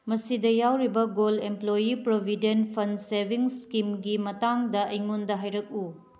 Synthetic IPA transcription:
mɐsidɐjawɾibɐɡolemplojipɾobʱidenpʰɐnsebʱiŋskimɡimɐtaŋdɐʔɐjŋundɐɦajɾɐk̚u

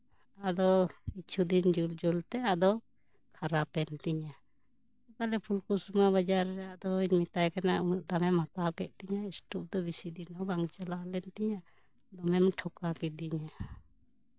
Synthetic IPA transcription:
ad̪ɔit͡ʃʰud̪ind͡ʒuld͡ʒult̪ɛad̪ɔ | kʰaɾapɛnt̪iɲa | sɔkalɛpʰulkusmaβad͡ʒaɾːɛad̪ɔiɲmit̪ajkanaunuʔ̚d̪amɛmat̪akɛʔ̪̚t̪iɲaisʈup̚d̪ɔbisid̪inɔbaŋt͡ʃalalɛnt̪iɲa | d̪ɔmɛmʈʰɔkakɛd̪iɲa

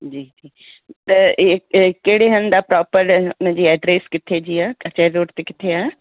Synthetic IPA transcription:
d͡ʑiːd͡ʑiː | t̪ɐ | keɦɽeɦɐn̆d̪apɾɔːpəɾʊnə̃ɲd͡ʑiːɛːɖɾeskɪt̪ʰed͡ʑiːaːɐt͡ɕaeɾoːʈt̪ekɪt̪ʰeaːe

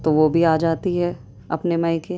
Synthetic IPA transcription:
t̪oʋobʱiaːd͡ʒaːt̪iɦɛ | ɐ̰pnemɐjke

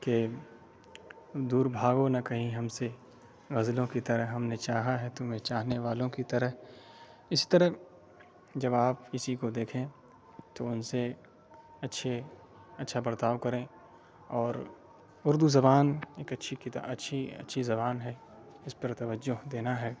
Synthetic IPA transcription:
ke | d̪uːɾbʱaːɡonɐkɐɦĩɦɐmse | ɣɐzlõkit̪ɐɾəɦɦɐmnet͡ʃaːɦaɦɛt̪ʊmẽt͡ʃaːɦneʋaːlõkit̪ɐɾəɦ | ɪsi̥t̪əɾəɦ | d͡ʒɐbaːpɪsikod̪eːkʰẽ | t̪oʊnse | ɐtːʃʰe | ɐtːʃʰabɐɾt̪aːʋkɐɾẽ | ɔːɾ | ʊɾd̪uzɐbaːneːkɐtːʃʰikɪt̪ːɐtːʃʰiɐ̰tːʃʰizɐbaːnɦɛ | ɪspəɾt̪ɐʋəd͡ʒoɦd̪eːnaɦɛː

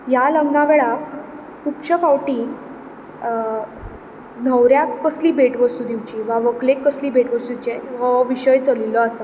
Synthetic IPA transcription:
jaləɡnaʋeɭa | kupt͡ɕəfawʈĩ | nəwɾjaəsliːbʱeʈʋəst̪ud̪iwt͡ɕiʋaʋəklekːəsliːbeʈʋəst̪ut͡ɕeʋəʋiɕəjt͡səliləasa

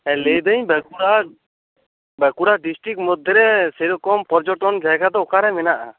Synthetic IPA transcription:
ɛlɛjd̪əɲbɛkuɾa | bɛkuɽaɖisʈɾik̚mɔd̪ʱːɛɾɛsɛɾɔkɔmpɔɾd͡ʒɔʈɔnd͡ʒajɡad̪ɔɔkaɾɛmɛnaʔa

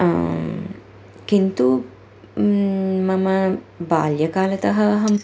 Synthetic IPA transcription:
kint̪u | mɐməbaːljəkaːlət̪ɐɦɐɐɦɐm

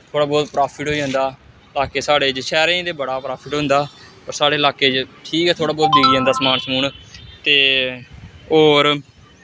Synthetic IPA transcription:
t̪ʰoːɽaːbɔːt̪pɾaːpʰɪʈɦoːiːɦʊ̃nd̪aː | laːkeːsaːɽeːd͡ʒʃɛːɾẽːd̪eːbəɽaːpɾaːpʰɪʈɦʊ̃nd̪aː | əɾsaːɽeːlaːkeːd͡ʒʈʰiːkɛːt̪ʰoːɽaːbɔːt̪̚biːɡiːɦə̃nd̪aːsmaːnsmuːɳt̪eː | oːɾ

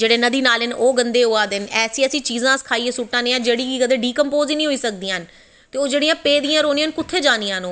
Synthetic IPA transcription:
d͡ʒeːɽeːnəd̪iːnaːlɪnoːɡənd̪eːɦoːaːd̪ɪnɛːsĩːəsĩːt͡ʃiːzãːsə̥kʰaːiːeːsʊʈːãːneːãːd͡ʒeːɽiːkikəd̪eːɖiːkəmpoːziːnĩɦoiːsək̚d̪iːn | t̪eːoːd͡ʒeːɽijãːpeːd̪ijãːɾoːniːãːnkʊt̪ʰːeːd͡ʒaːniːãːnoː

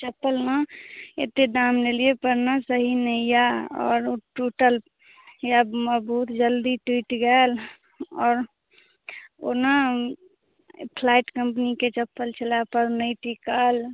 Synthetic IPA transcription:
t͡ʃəpːəlmaḛt̪ed̪aːmleliepəɾnasəɦinəijaɔ̰ːɾoʈuːʈəl | jaməbəɦut̪d͡ʒəld̪iʈwiːʈɡɛl | ɔːɾ | ona | pʰlaːɪʈkə̃mp̬niket͡ʃəpːəlt͡ʃʰəlapəɾnəiʈikal

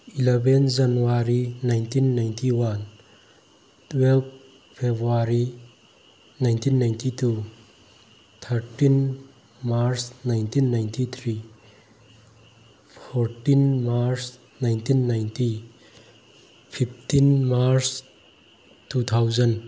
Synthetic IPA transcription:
ilebend͡ʒanuwaɾinajntʰinːajntʰiwan | tʰwelp̚ | pʰebɾuaɾi | najntʰinːajntʰitʰu | t̪ʰəɾtin | maɾsnajntʰinːajntʰit̪ʰɾi | pʰɔɾtinmaɾs | najntʰinːajntʰi | pʰip̚ʰtinmaɾs | tut̪ʰawzɐn

